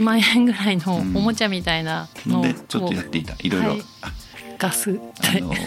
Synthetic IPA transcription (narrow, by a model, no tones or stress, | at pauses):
mãɰ̃ẽŋɡɯ̟ɾainoːmo̞t͡ɕamʲit̪ainanod̪et͡ɕot̪ːojat̪ːeit̪aʔiɾojaɾoi | ɡ̥asɨt̪ʰːeo̰